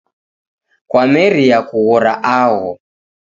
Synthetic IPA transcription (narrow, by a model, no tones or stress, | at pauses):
kwamɛɾiakuɣɔɾaʔaɣɔ